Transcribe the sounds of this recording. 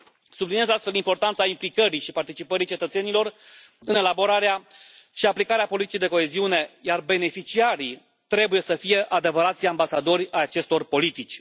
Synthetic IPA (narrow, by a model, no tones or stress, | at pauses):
subliniezast̪fe̞ld̪impo̞rt̪ant̪saimplikəɾiʃipart̪it͡ʃipəɾit͡ʃe̞t̪ət̪se̞nilo̞r | ɨne̞labo̞ɾaɾeaʃiaplikaɾeapo̞lit̪i̥t͡ʃid̪eko̞e̞ziune̞jarbe̞ne̞fit͡ʃiaɾi | t̪ɾe̞buje̞səfije̞ʔad̪e̞vəɾat̪sʲambasad̪o̞rʲajat͡ʃe̞st̪o̞rpo̞lit̪it͡ʃʲ